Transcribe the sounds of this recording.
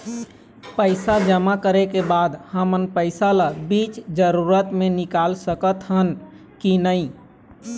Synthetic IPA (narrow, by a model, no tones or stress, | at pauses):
pəɪsad͡ʒəmakəɾekebaːd̪həmənpəɪsalabit͡ʃd͡ʒəɾuɾət̪mẽnɪkalsəkət̪ɦən | kinəĩ